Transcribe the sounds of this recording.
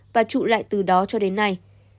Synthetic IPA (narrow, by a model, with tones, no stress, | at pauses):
vaː˨˩t͡ɕṵ˧˨la̰ː˧˨jt̪ɨ˨˩ɗɔ˨˦t͡ɕɔ˧ɗe˨˦nːa˨˧˩j